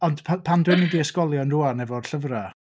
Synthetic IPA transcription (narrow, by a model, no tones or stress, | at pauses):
ɔnd̥pʰapʰandwɪnidiəskɔlˠjɔnruanɛvɔrɬəvra